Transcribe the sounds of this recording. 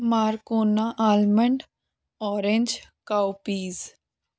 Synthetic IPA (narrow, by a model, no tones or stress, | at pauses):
maːɾkoːnaʔaːlməɳɖ | ɔːɾẽnd͡ʒkaːwpiːz